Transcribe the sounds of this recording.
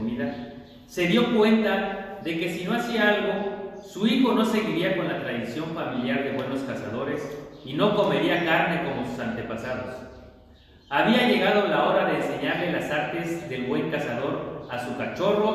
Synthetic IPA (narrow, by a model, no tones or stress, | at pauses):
miða | se̞ðjo̞kwe̞nt̪aðe̞ke̞sino̞asiaalɣo̞suixo̞no̞se̞ɣiɾiako̞nlat̪ɾaðisjo̞ɱfamiljaɾðe̞βwe̞no̞skasa̰ð̞o̞ɾe̞sino̞ko̞me̞ɾiakaɾne̞ko̞mo̞susant̪e̞pasaðo̞̰s | aβiaʝe̞ɣað̞olao̞ɾaðe̞ːnse̞ɲaɾle̞lasaɾt̪e̞zðe̞lβwe̞ŋkasaðo̞ɾasukat͡ʃo̞ro̞